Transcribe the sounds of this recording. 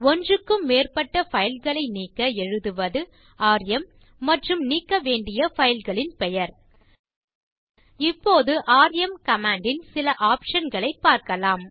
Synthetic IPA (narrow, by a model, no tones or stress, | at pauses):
ɔndrɯkːɯmːeːrpɐʈːɐfɐjɪlɣɐɭɐɪniːkːɐɛɻɯðɯʋɐðɯ | aːɾjɐmː | ɐʈrɯmniːkːɐʋeːɳɖɪjɐfɐjɪlɣɐɭɪnpɛjɐɾ | ɪpːoːðɯʔaːɾjɐmkɐmaːɳɖɪnsɪlɐʔaːpʂɐnɡɐɭɐɪpːaːɾkɐlaːm